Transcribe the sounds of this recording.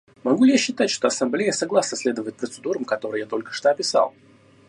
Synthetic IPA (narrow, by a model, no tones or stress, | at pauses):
mɐɡulʲɪjaɕːɪt̪atʲʂt̪oɐsɐmblʲejəsɐɡlˠasnəsʲlʲed̪əvəjɪt̪̚pɾət̪sɨd̪uɾəmkɐt̪o̞ɾɨjat̪o̞lʲkə̥ʂt̪oɐpʲɪsa̰lˠ